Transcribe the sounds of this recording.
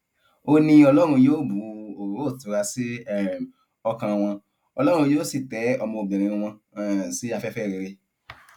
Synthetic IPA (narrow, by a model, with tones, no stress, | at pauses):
o˧nĩ˧ɔ˧lɔ˦ɾ̃ũ˧je˦o˦˨bu˨˦o˨˦˨tu˨ɾa˧si˦˨ | ɔ˧kã˧w̃ɔ̃˧ | ɔ˧lɔ˦ɾ̃ũ˧jo˦si˦˨tɛ˨˦ɔ˧mɔ̃˧o˨bĩ˨ɾ̃ĩ˨˧ĩ˧w̃ɔ̃˧˨si˨˦a˧fɛ˦fɛ˦˨ɾe˧ɾe˧